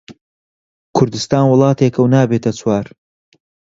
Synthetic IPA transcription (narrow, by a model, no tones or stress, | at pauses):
kʰʊɾd̪ɨst̪aːnwʊlˠɑːt̪ʰeːkʰɐwnaːbeːt̪ʰɐt͡sʰwaːɾ